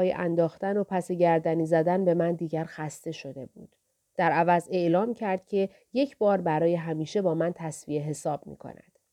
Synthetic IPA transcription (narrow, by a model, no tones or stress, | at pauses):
ɒːjḛʔænd̪ɒːxt̪æno̞pʰæse̞ɟæɾd̪æniːzæd̪ænbe̞mænd̪iːɟæɾxæst̪e̞ʃo̞d̪e̞bṵːd̪̥ː | æɾævæze̞ʔlɒːmcʰæɾd̪̥̚cʲʰe̞ | je̞cʰbɒːɾbæɾɒːje̞ɦæmiːʃe̞bɒːmænt̪ʰæsvie̞ɦe̞sɒːb̥̚mḭːkʰo̞̰næ̰d̪̥